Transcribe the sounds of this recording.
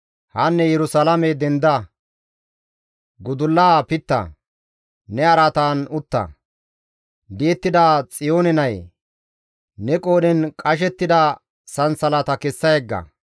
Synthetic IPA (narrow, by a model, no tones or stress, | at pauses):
hɐnːɛjɛɾʊsɐlɐmɛd̪ɛnd̪ɐ | ɡʊd̪ʊlːaːpɪt̪ːɐ̰ | nɛɐɾat̪aːnʊt̪ːɐ̰ | d̪ɪɛt̪ːɪd̪aːt͡sʼɪjo̞ːnɛnɐj | nɛkʼoːdɛnkʼɐʃ̬ɛt̪ːɪd̪ɐ | sɐnsɐlɐt̪ɐkɛsːɐjɛɡːɐ̰